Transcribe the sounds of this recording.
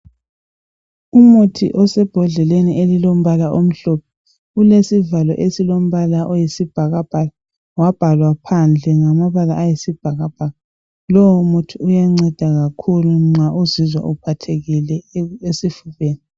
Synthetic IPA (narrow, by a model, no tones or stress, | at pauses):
umutʰḭʔɔsɛb̥ʱɔɮɛleniʔelilom̩βalaʔom̩ɬɔpʰɛ | ulesivalɔ̰ʔesilom̩βalaʔɔjisib̥ʱaɣab̥ʱala | wab̥ʱalwapʰand͡ɮʱɛŋamaβalaʔajisib̥ʱaɣab̥ʱaɣa | lɔmutʰiujaŋ͡ǀɛd̥ʱaɣakʰuluŋ͡ǀaʔuzizwa̰ʔupʰatʰeɣilɛesifuβeːni